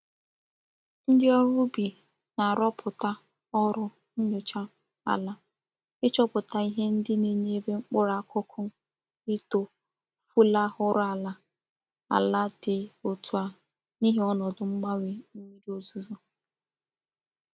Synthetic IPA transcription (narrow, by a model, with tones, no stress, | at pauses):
n̩˦dɪ˦ɔ˦ɾʊ˦bi˨ | na˨a˨ɾɔ˦pʰʊ˨ta˦ | ɔ˦ɾʊ˦ | n̩˦ɲo˨t͡ʃa˦ | a̰˨la˦ | ɪ˦t͡ʃɔ˦pʊ˨ta˦i˦ɦe˦n̩˦dɪ˦ne˦ɲe˦be˦ŋ͡m̩˦k͡pʊ˦ɾa˨˦kʊ˦kʰʊ˦ | ɪ˦to˨ | fu˦la˦ɦʊ˦ɾʊ˦a˨la˦ | a̰˨la˦dɪ˨o˨tu˨a˨ | ni˦ɦe˦ɔ˦nɔ˨dʊ˨ŋ͡m̩˦ɡ͡ba˦we˨n̩˦ɲi˦ɾi˦o˨zu˦zo˦